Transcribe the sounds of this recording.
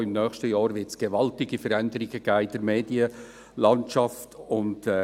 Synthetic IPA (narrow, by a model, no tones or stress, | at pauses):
ɪmnœːχʃtəjɑːɾʋɪtsɡ̥eʋɑltɪɡifəɾændəɾɪɡəɡ̥æːɪd̥əɾmeːdiə | lɑnʃɑftʰʊntɛ